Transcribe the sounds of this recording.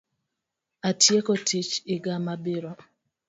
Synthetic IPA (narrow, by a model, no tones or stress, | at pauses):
atjekɔtit͡ʃɪɡamabɪɾɔ